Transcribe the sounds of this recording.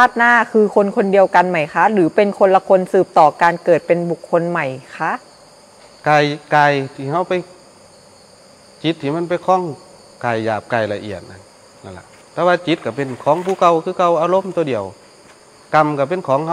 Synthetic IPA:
aː˥˩t̪̚naː˧˥˩kʰɯː˧kʰo˧nkʰo˧ndi˧əwka˧nma˨˩jkʰa˦˥lɯː˨˦pe˧nkʰo˧nla˧kʰo˧nsɯː˨˩p̚t̪ɔː˨˩kaː˧nkɤː˨˩t̪̚pe˧nbu˨˩kʰːo˧nma˨˩jkʰa˧˥ʔ | kaː˧˩jkaː˧˩jt̪ʰiː˧˩ha˧˥˨wpa˧˨j | t͡ɕi˧˦t̪ʰːiː˧˨ma˧˥˨npa˧˨jkʰɔː˧˥˨ŋ | kaː˨˩jːaː˨˩p̚kaː˨˩jla˧ʔḭ˨˩ət̪̚na˧nː | a˧˩nla̰˧˩ʔ | t̪ɛː˧waː˧t͡ɕi˧˦t̪̚ka˧˩pe˧˨nkʰɔː˨˦ŋpʰuː˧˩ka˧˩wkʰɯː˧˨ka˧˩wʔaː˧lo˧˥˨mt̪u˧˦di˧əw | ka˧mka˧˩p̬e˧˨nkʰɔː˨˦ŋha˧

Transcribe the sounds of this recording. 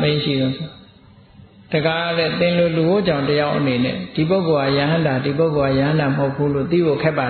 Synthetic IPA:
mẽ˦ʃḭ˦˨d̪ɔ˨˦sʰ | d̥ə˨ɡa˨ɾɛ˦˨t̪ɪ̃˨lo˨lu˨ɡo˦˨d͡ʑã˨ʊ̃təja˦ʊʔəne˨nɛ̰˦˨d̥i˨p̬o˦ʊko˨a˦˨ja˨ɦã˦nda˨di˨p̬o˦ʊko˨a˦˨jã˨ɦã˦nda˨məho˦ʊpʰːu˦lo̰˦˨t̪ḭ˦˨bo˦˨kʰɛ˦pːa˨

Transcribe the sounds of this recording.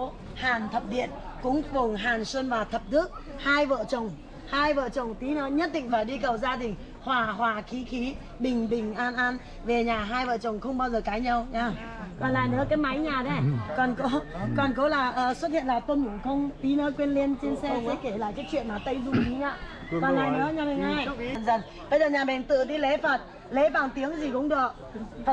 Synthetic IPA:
haː˨˩nt̪ʰə˨˩p̚ɗḭ˧˨ənkʊ̰˧˥ŋ͡mvʊ˨˩ŋɦaː˨˩nswə˧nvaː˨˩t̪ʰə˨˩p̚t̪ɨ˦˥ək̚ | haː˧jvə̰ː˧˨t͡ɕə˨˩wŋ͡m | haː˧jvə̰ː˧˨t͡ɕə˨˩wŋ͡mt̪i˨˦nɔ˨˦ɲə˦˥t̚ɗḭ˧˨ŋ̟faː˨˧˩jɗi˧kə˨˩wzaː˧ɗ̪ï˨˩ŋ̟ | hwaː˨˩ɦwaː˨˩xi˨˦xi˨˦ | ɓï˨˩ŋ̟ɓï˨˩ŋ̟ʔaː˧nʔaː˧n | ve˨˩ɲaː˨˩ɦaː˧jvə̰ː˧˨t͡ɕə˨˩wŋ͡mxə˧wŋ͡mɓaː˧wzəː˨˩kaː˨˦jɲa˧wɲaː˧ | kɔ˨˩nla̰ː˧˨nɨ̰˨˧˦əkaː˨˦jma˨˦jɲaː˨˩ɗe˧˦kɔ˨˩nko˨˦kɔ˨˩nko˨˦laː˨˩ʔəː˨˩swə˦˥t̚hḭ˧˨ənlaː˨˩t̪wə˧nmu˧˩ŋ͡mxə˧wŋ͡mti˨˦nəː˨˦kwe˧ənli˧ənt͡ɕe˧nsɛ˧sɛ̰˧˥ke˧˩laː˨˩jkaː˨˦˥jt͡ɕwḭ˧˨ənmaː˨˩t̪ə˧jzu˨˩ɗi˨˦ɲa̰ː˧˥˨ | kɔ˨˩nla̰ː˨jnɨ̰˧˦əɲaː˨˩ɓɛ˨˩ŋa˨˧˩jnzə˨˩n | ɓə˧jzəː˨˩ɲaː˨˩ɓɛ˨˩nt̪ɨ̰˧˨t̪ʰi˨˦le˨˦fə˨˩t̚ | le˨˦ɓaː˨˧˩nt̪i˨˦əŋzi˨˩kʊ̰˧˥ŋ͡mɗɨ˨˩əʔ̚

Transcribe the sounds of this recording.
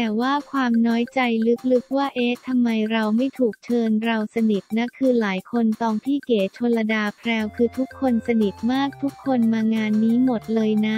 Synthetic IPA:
t̪ɛː˨˩waː˥˩kʰwaː˧mnɔː˦˥jt͡ɕa˧jlɯ˦˥k̚lɯ˦˥k̚waː˥˩ʔeː˦˥t̪ʰa˧mːa˧jɾa˧wma˥˩jt̪ʰuː˨˩k̚t͡ɕʰɤː˧nɾa˧wsa˧ni˨˩t̪̚na˦˥kʰɯː˧laː˩˦jkʰo˧nt̪ɔː˧ŋpʰiː˥˩keː˩˦t͡ɕʰo˧la˧daː˧pʰɾɛː˧wkʰɯː˧t̪ʰu˦˥kʰːo˧nsa˧ni˨˩t̪̚maː˥˩k̚t̪ʰu˦˥kʰːo˧nmaː˧ŋaː˧nːiː˦˥mo˨˩t̪̚lɤː˧jna˦˥

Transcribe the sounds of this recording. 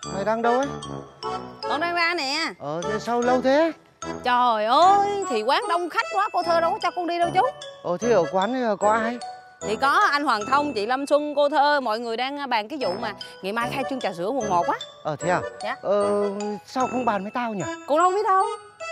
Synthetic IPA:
ma˨˧˩jɗaː˧ŋɗə˧wʔə˨˦ | kɔ˧ŋɗaː˧ŋɗaː˧nɛ̰˧˩˨ʔəː˨˩˨sa˧wlə˧wt̪ʰe˨˦ | t͡ɕɔ˨˩jʔəː˧jt̪ʰi˨˩kwaː˨˦ŋɗə˧wŋ͡mxa˦˥jk̟̚kwaː˨˦ko˧t̪ʰəː˧ɗə˨˦wt͡ɕɔ˧kɔ˧nɗi˧ɗə˧wt͡ɕʊ˨˦˥t̚ʔəː˨˩t̪ʰi˨˦ʔəː˧˩kwaː˨˦nə˨˧˦əː˨˩kɔ˨˦ʔaː˧j | t̪ʰi˨˩kɔ˨˦ʔa˧jŋ̟hwaː˨˩nt̪ʰə˧wŋ͡mt͡ɕḭ˧˨lə˧mswə˧ŋko˧t̪ʰəː˧mɔ̰˧˨jŋɨ˨˩əjɗaː˧ŋː˧ɓaː˨˩ŋki˨˦zṵ˧˨maː˨˩ŋḭ˧˨maː˧jxaː˧jt͡ɕɨ˧ŋt͡ɕaː˨˩zɨ̰˧˥əmu˨˩n̚mo˨˩t̚waː˨˦ʔəː˨˩t̪ʰi˨˧˦aː˨˩ɲa˨˦ʔəː˨˩saː˧wkə˧ŋ͡mɓaː˨˩nmaː˨˦jt̪aː˧ɲa˨˩kɔ̰˧nhə˧ŋ͡mɓi˦ət̚ɗə˧w

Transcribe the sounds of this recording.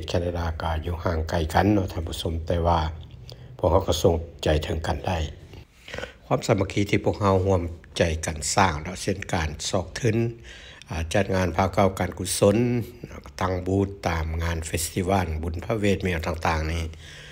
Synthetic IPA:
t̪̚kʰɛː˧na˧daː˧˩ka˧˩juː˧˩haː˧˩ŋka˨˧˩jka˨nːɔ˧t̪ʰa˧˨mpu˧˥˨so˧˦mt̪ɛː˧waː˧pʰu˧˥ək̚ha˧wka˧˩so˧ŋt͡ɕa˨˩jt̪ʰɤ˨˦ŋka˨nda˧˩˨j | kʰwa˧˥˨msa˨˧ma˧kʰiː˧˥t̪ʰiː˧˩pʰu˧ək̚ha˧˥wɦu˧əmt͡ɕa˨˩jka˨˩nsaː˧˩ŋdɔ˧ʔse˧˨nkaː˨nsɔː˧˩k̚t̪ʰɯ˧˥˨n | ʔa˨˩t͡ɕa˧˩t̪̚ŋaː˧˥˨npʰaː˧˩wka˧˨wkaː˨nkʰu˧so˧˥˨nnɔ˧t̪a˧˩ŋbuː˧˦t̪ːaː˨mŋaː˧˥˨nfe˧st̪ʰi˧waː˧˨nbu˨npʰa˧weː˧˨t̪̚miː˧˨wt̪aː˧ŋt̪aː˧˩ŋniː˧˩

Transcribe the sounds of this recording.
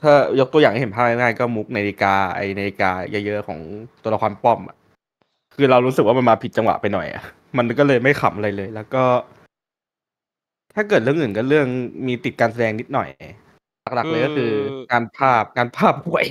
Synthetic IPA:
t̪ʰaː˥˩jo˦˥k̚t̪u˧jaː˨˩ŋa˥˩˨e˨˩˦pʰa˥˩na˥ŋaː˥˩jkɔː˥˩mu˦˥k̚naː˧li˧kaː˧ʔa̰˧jnaː˧li˧kaː˧ja˦˥jɤ˦˥ʔkʰɔ̰ː˩˦ŋt̪u˧la˧kʰwa˧mpɔ˥˩mʔa̰˨˩ | kʰɯː˧ɾa˧wɾu˦˥sɯ˨˩waː˥˩a˧nmaː˧pʰi˨˩t̪̚t͡ɕa˧ŋwa̰˨˩pa˧jnɔ˨˩jʔa̰˨˩ʔ | ma˧nkɔː˥˩lɤː˧jma˥˩jxʰa̰˨˩˦mʔa˧ɾa˧jlɤː˧jlɛː˦˥wkɔː˥˩ | t̪ʰaː˥˩kɤː˨˩t̪̚ɾɯ˥˩əʔɯː˨˩nk̬ɔː˥˩lɯ˥˩əŋmiː˧t̪i˨˩t̪̚kaː˧ns̬a˧dɛː˧ŋni˦˥t̪̚nɔ˨˩j | la˨˩k̚la˨˩laː˧jkɔː˥˩˥kʰɯː˧ŋaː˧npʰaː˥˩p̚kaː˧npʰaː˥˩p̚hu˨˩əj

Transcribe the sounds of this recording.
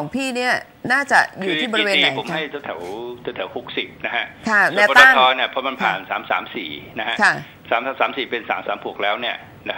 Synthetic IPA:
ɔː˩˦ŋpʰiː˥˩ni˥˩ɐ | naː˥˩t͡ɕa˨˩juː˨tʰiː˥˩ɔː˧ɾweː˧iː˧˨˦po˨˩˦mha˥˩jt͡ɕ̪ʰɛ˨˦wt̪ʰɛ˩˦wt̪ʰɛ˨˦t̪ʰɛ˩˦whu˦˥k̚si˨˩p̚na˦˥kʰa˦˥ʔkʰa˥˩n˨ɛː˦˥pɔ˦t̪aɔ˥˩˥t̪ʰɔː˦˥ni˦˥˩ɐpʰɔ˦˥ma˧npʰa̰ː˨˩nsa̰ː˩˦msaː˩˦msḭː˨˩na˦˥ka˦˥kʰa˥˩ | saː˩˦msaː˨˦saː˩˦msiː˨˩pe˧nsaː˩˦msaː˩˦mpʰu˨˩ək̚lɛː˦˥wni˥˩ɐ | na˦˥

